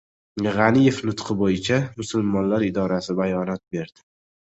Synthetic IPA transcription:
ʁɑnɪje̞fnʊt̪qʰɨbojɪt͡ʃʰamʊsʊlmɒnlaɾɪd̪ɒɾasɪbajɒnɒt̪̚be̞ɾd̪̥ɪ

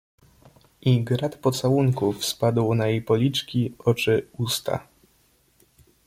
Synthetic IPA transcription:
ʔiɡɾat̪pɔt̪sawuŋkufspad̪wnajejpɔlʲit͡ʂkʲiʔɔt͡ʂɘust̪ʰa̰

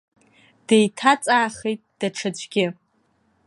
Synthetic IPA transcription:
d̥ejtʰat͡sʼaːχejtʼd̥aʈ͡ʂʰad͡ʒʷʼɡʲɪ

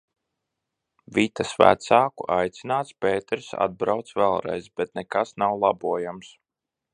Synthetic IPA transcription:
vit̪asvæ̰t̪saːkṵʔajt̪sinaːt̪speːt̪ɛɾsa̰d̪̚bɾawt̪svɛlˠɾɛ̰jzbɛt̪nɛkasnawlˠabuɔjams

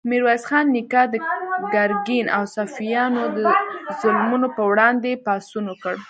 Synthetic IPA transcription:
miɾwazxɑnːikɑd̪əɡaɾɡinʔa̰wsafijɑnod̪əzʊlmunopəwɽɑnd̪epɑsunwəkəɽ

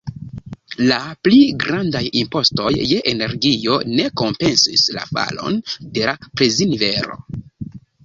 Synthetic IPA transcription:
lapliɡɾandajimpo̞sto̞jːeʔene̞ɾɡio̞̰ne̞ko̞mpe̞nsisla̰fa̰lo̞̰nde̞lapɾezinve̞ɾo̞̰

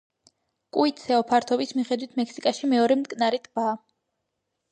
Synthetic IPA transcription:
kʼuit̪sʰɛɔpʰaɾt̪ʰɔbismiχɛd̪wit̪ʰmɛkʰsikʼaʃimɛɔɾɛmt̪ʼkʼnaɾit̪ʼbaː

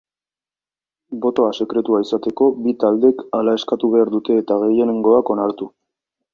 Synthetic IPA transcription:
bo̞t̪o̞ase̞kɾe̞t̪uaisat̪e̞ko̞bit̪ald̪e̞kalae̞skat̪uβe̞aɾd̪ut̪e̞ːt̪aɣe̞je̞ne̞ŋɡo̞ako̞naɾt̪u

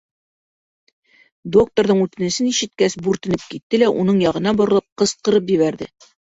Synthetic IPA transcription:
d̪o̞k̚t̪oɾðɤɴʉt̪ɘ̆nɘ̆sɘniʃɘ̆t̪̚kæsbuɾt̪ɘ̆nɘp̚kit̪ːɘlæʔunɤɴjɑʁɤ̆nɑbŏɾɤ̆lˠɤp̚qɤ̆sqɤ̆ɾɤpjɘ̆βæɾðɘ

